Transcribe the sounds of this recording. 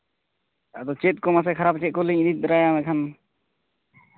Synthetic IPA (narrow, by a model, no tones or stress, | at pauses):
ad̪ɔt͡ʃɛt̪̚ˀkɔmas̬ɛkʰaɾap̚t͡ʃɛt̪̚kɔliɲd̪it̪̚ɾajamɛkʰan